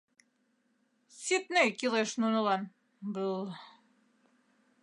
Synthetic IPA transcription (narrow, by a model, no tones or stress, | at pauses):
sʲit̪nejkʲilˠeʃnunɤ̆lˠɑn | bɤlˠ